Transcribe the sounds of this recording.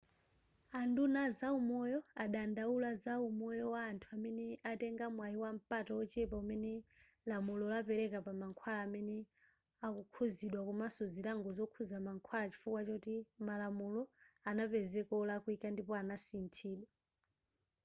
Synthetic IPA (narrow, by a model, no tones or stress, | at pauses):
andunazaumɔjɔaɗandaulazaumɔjɔwaːntʰuamɛnɛatɛŋɡamwaiwam̩patɔɔt͡ʃɛpaumɛnɛ | lamulɔlapɛɾɛkapamaŋkʰwalaːmɛnɛ | akukʰuziɗwakumasɔziɾaŋɡɔzɔkʰuzamaŋkʰwalat͡ʃi̥fukwat͡ʃɔutimalamulɔanapɛzɛkɔlakwikandipɔanasintʰiːɗwa